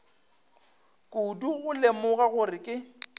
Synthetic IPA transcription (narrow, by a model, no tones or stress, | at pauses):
kʼuduɣʊlemʊɣaɣʊrɪkʼɪ